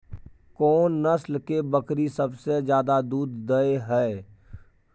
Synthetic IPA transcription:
kɔːnːəslkebəkɾisəbsed͡ʒjaːd̪ad̪uːd̪ːəeɦɛː

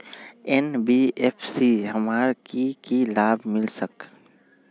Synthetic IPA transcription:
enbieːpʰsiɦəmaːɾkikilaːbmɪlsək

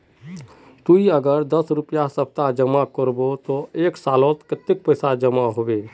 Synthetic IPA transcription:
t̪uiəɡəɾd̪əsɾʊpjasəp̚t̪ad͡ʒəmakəɾbot̪oeːksaːlõt̪kət̪ːɪk̚pəjsad͡ʒəmaɦobe

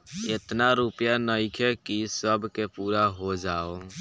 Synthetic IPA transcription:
et̪naɾupjanəɪkʰekisəbʱkepuːɾaɦod͡ʒaːo

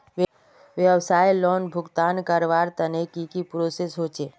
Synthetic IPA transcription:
ʋ | ʋjəwsaːjlɔːnbʱʊɡt̪aːnkəɾʋaːɾt̪ənekikipɾoːsesɦoːt͡ʃeː

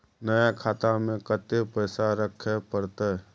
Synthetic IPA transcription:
nəjakʰaːt̪amẽkət̪epəɪsaɾəkʰːepəɾt̪ə

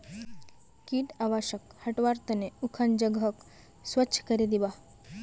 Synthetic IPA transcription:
kiːʈaʋaɕəkhɐʈʋaɾt̪əneukʰand͡ʒəɡɦək | sʋəːɕʰkəɾed̪iʋa

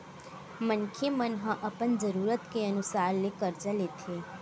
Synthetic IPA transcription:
mənkʰemənɦãʔəpənd͡ʒəɾuːɾət̪keənusaːɾnekəɾd͡ʒəlet̪ʰe

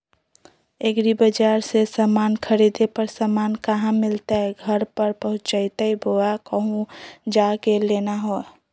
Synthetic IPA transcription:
eɡɾibəd͡ʒaɾsesamaːnkʰəɾid̪epəɾsamaːnkəɦãmɪlt̪aɦɛɡʱəɾpəɾpəɦʊ̃t͡ʃəjt̪aibʱoakəɦũd͡ʒakelenaɦo

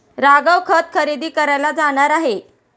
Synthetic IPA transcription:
ɾaɡəwkʰət̪̚kʰəɾid̪iːkəɾajlad͡zaɽ̃aɾaɦe

